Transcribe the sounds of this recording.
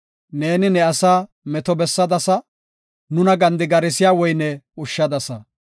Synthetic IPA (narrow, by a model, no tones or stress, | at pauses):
ne̞ːnɪnɛɐsaː | mɛt̪ɔbɛsːɐd̪ɐsɐ | nʊnɐɡɐnd̪ɪɡɐɾɪsɪjaːwɔjnɛʊʃːɐd̪ɐsɐ